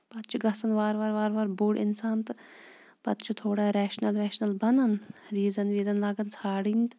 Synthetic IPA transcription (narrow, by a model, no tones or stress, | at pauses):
pɐt̪t͡ʃʰuɡɐsɐnʋaːɾʋaːɾʋaːɾʋaːɾbuːɽʔɪ̰nsaːnt̪ | pɐt̪t͡ʃʰut̪ʰoːɽaɾɛːʃnɐlɾɛːʃnɐlbɐnɐnɾiːzɐnʋiːzɐnlaːɡɐnt͡sʰaːɽiːnt̪